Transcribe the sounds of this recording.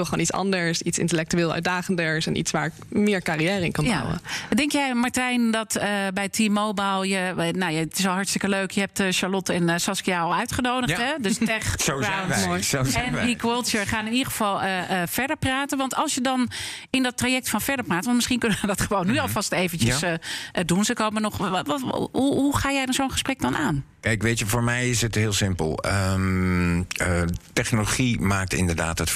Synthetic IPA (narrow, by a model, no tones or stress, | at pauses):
ʋɪlˠəoːnisɑ̰ndəɹsitsɪ̰ntəlɛk̚tyeːlˠœ̰tdaːχəndəɹsɛ̰nʔḭtsʋaːɹɪkmɪːɹkaːrijɛːɾəɪ̰nkɑnjba̰wwə̰dɛŋkjɛjmaɹtɛjndɔtəbɛjtʰimːowbalˠjənojaɪtɪsʋɛlˠɦɑɹtstɪkəløɥkʰjəɦɛp̚tʃaɹlɔtɛnsɑskijaɔlˠœɥtχənowdətɦɛdøstɛχa | ɛnikwolˠtəɹχaːnɪnidəχəvɑlˠəəfɛɹdəɹpraːtənʋɑntɑlˠsjədɑn | ɪndɔtraːjɛk̚tfɑnfɛɹdəɹpraːtʋɑntmɪsχinkønəʋədɔtχəʋownːyɔlˠfɑstejvənt͡ʃəsəədunsəkoːmənɔχ | uɦuχaːjɛjdɔnzownχə̥sprɛk̚dɔnaːnkɛjkʋetəvoːɹmɛjɪsətɦɪːlˠsɪmpə̰lˠəm | ətɛχnoloχimaːk̚tɪ̰ndəɹda̰ːtət